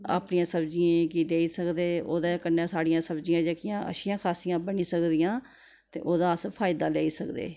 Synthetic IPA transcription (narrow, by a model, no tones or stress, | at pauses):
a̰ːpnɪjãːsəbd͡ʒɪjẽːkiːd̪eːiːsəkd̪eːoːd̪aːkənːaːsaːɽɪjãːsəbd͡ʒijãːd͡ʒəkɪjãːʔə̰ʃɪjãːkʰaːsijãːbəniːsəkd̪ɪjãː | t̪ḛːʔoːd̪aːəspʰaːjɪd̪aːlɛːiːsəkd̪ḛː